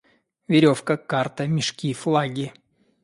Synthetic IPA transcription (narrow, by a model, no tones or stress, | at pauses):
vʲɪɾʲo̞fkəkart̪əmʲɪʂkʲiflˠaɡʲɪ